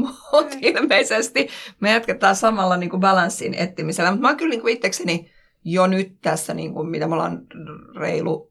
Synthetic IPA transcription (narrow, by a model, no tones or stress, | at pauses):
muut̪ilmeisest̪imeæt̪kæt̪ːɑːsɑmɑlːɑniːŋkubɑlɑnsːḭnḛt̪ːimiselːæmut̪mɑːŋkylniːŋkuit̪ːekseni | jonyt̪t̪æsːænḭːŋkummit̪æmolɑ̰ːnrḛilṵ